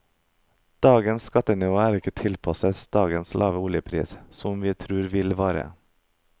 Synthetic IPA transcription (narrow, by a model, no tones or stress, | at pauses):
d̪̥ɑːɡənskɑt̪ənɪʋoːæːɾɪkət̪ʰɪlpʰɑsəsd̪̥ɑːɡənslʔɑːʋəuːljəpʰɾḭːssɔmʋiːt̪ʰɾʉːɾʋɪlʋɑːɾə̰